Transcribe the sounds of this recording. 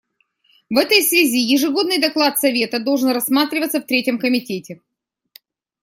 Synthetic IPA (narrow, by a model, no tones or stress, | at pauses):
vɛt̪əjsvʲɪzʲijɪʐɨɡo̞d̪nɨjd̪ɐklˠat̪sɐvʲe̞t̪əd̪olˠʐɨnrɐsːmat̪ɾʲɪvət̪səft̪ɾʲetʲɪmkəmʲɪtʲetʲɪ